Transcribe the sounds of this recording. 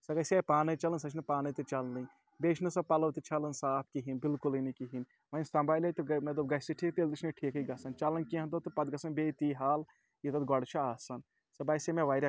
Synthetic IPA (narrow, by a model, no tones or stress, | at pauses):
sɐkɐsʲepaːnɐt͡ʃɐlɐnsɐt͡ʃʰnɨpaːnɐt̪ɨt͡ʃɐlnɨj | beːt͡ʃʰnɨsɐpɐlɐwt̪it͡ʃʰɐlɐnsaːp̚ʰkiɦinbilkulinikiɦin | mɐjnst̪ɐmbaːjlʲet̪ɨmetd̪ɐb̚ɡɐsiʈʰiːk̚t̪eld̪it͡ʃʰnɨʈʰiːkɨɡɐsɐnt͡ʃɐlɐnkiɦɐ̃nt̪ot̪ɨpɐd̪ɡɐsɐnbeːt̪iːɦaːl | jit̪ɐd̪ɡɔɽt͡ʃʰɐaːsɐn | sɐbɐsimẽʋaːjɾʲɐ